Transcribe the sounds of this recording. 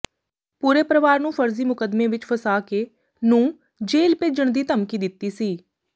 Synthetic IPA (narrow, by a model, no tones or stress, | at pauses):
puːɾeːpɾəʋaːɾnũːpʰəɾziːmʊkəd̪mẽːʋɪt͡ʃpʰəsaːkeː | nũː | d͡ʒeːlpeːd͡ʒəɳd̪iːt̪əmkiːd̪ɪt̪ːiːsiː